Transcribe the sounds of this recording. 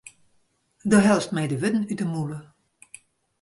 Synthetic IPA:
dɔɦɛlˠfstmɛjdəʋʏtn̩ytəmulə

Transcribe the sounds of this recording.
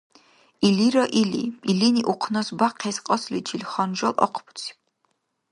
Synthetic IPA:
iliɾɔʔilḭiliniʔuqʰnɐsbaqʰɛsqʼɔslitʰilχɔnʒɔlʔɔ̰qʰpʰt͡sʰi̥

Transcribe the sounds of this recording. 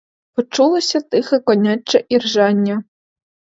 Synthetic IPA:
pɔt͡ʂulˠɐsʲɐt̪ɨxɛkɔnʲat͡ʃːɐʔirʒanʲːɐ

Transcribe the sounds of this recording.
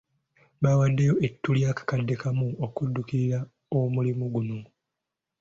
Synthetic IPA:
baːwadːejo̞ʔe̞tːuljaːkḁkadːe̞kamuokudːukiɾiɾa | omulimuɡuno̞

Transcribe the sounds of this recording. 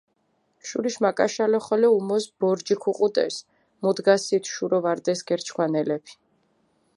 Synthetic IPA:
ʃuɾiʃmakʼaʃalɛχɔlɛumɔsb̥ɔɾd͡ʒikʰuqʼut̪ʼɛ̰s | mud̪ɡasit̪ʰʃuɾɔvaɾd̪ɛsɡɛɾt͡ʃʰkʰwanɛlɛpʰi̥

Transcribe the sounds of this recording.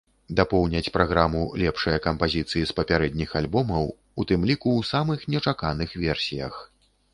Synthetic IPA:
d̪apɔwnʲɐt͡sʲpɾaɣɾamulʲɛpʂɐjɐkɐmpazʲit̪sɨjispɐpʲaɾɛd̪̚ʲnʲixalʲbɔmɐw | ut̪ɨmlʲikuwsamɨxnʲɛt͡ʂakanɨxvʲɛrsʲijɐ̰x

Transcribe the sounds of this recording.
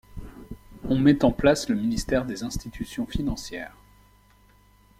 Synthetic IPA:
ɔ̃mɛt̪ɑ̃plasləminist̪ɛʁd̪ezɛ̃st̪it̪ʰysjɔ̃finɑ̃sjɛːʁ

